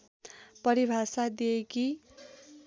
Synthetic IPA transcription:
pʌɾibʱasad̪ieki

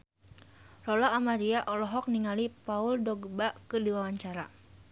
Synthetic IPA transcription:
rɔlaːmaɾiaʔɔlɔɦɔk̚niŋalipauldɔɡbakɨdiwawaɲt͡ʃaɾa

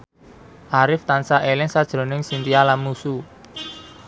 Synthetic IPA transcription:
ʔaɾɪft̪ansaʔelɪŋsad̥ʒ̥ɾo̤nɪŋsint̪ialanmusu

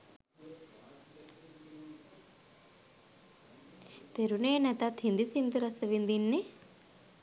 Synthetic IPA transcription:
t̪eɾuneːnɛt̪at̪hind̪isind̪uɾɐsəʋind̪inːe

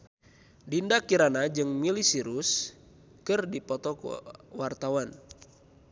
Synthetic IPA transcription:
dindakiɾanad͡ʒɨŋmilisiɾus | kɨrdipɔt̪ɔkwart̪awan

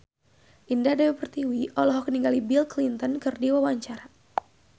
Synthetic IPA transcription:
ʔindahdawɛpərt̪iwiʔɔlɔɦɔkəniŋɡalibilklint̪ɔnkɨrdiwawaɲt͡ʃaɾa

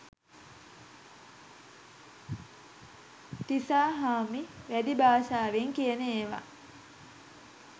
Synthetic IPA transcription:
t̪isaːɦaːmiʋæd̪ibaːsaːʋeŋkijɐneeːʋa̰

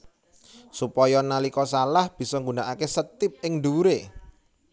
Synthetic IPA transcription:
supɔjɔnalikɔsalahb̥i̤sɔŋɡunaʔakesət̪ɪp̚ʔɪŋɖuɾe

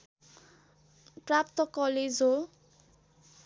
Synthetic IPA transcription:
pɹap̚t̪ɔkɔled͡zo

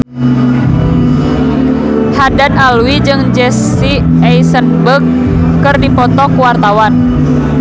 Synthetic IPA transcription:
hadanalwid͡ʒɨŋd͡ʒɛs | i | ɛjsənbəkː | ɨrdipɔt̪ɔkuwart̪awan

